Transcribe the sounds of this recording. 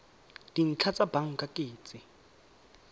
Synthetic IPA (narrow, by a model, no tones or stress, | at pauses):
d̥in̩t͡ɬʰat͡sʼabaŋ̩kʼakʼeːt͡sʼɪ